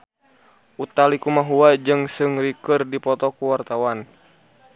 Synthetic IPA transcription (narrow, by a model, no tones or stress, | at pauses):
ʔut̪alikumaɦuad͡ʒɨŋsɨŋɾikɨrdipɔt̪ɔkuwart̪awan